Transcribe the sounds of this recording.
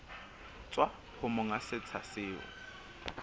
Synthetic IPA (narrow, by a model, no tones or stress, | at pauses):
t͡sʼwa | hʊmʊŋasɪt͡sʰasɪːʊ̰